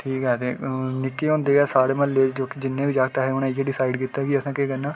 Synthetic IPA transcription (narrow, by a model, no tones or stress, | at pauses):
ʈʰiːkɦɛːt̪eːnɪkːeːɦõːnd̪eːɛːsaːɽeːməlːeːd͡ʒd͡ʒoːkid͡ʒɪnːẽːʋiːd͡ʒaːk̚t̪aːɦeːʊnãɪeːɖɪsaːɪɖkiːt̪ːaːkiəsãːkeːkɛnːãː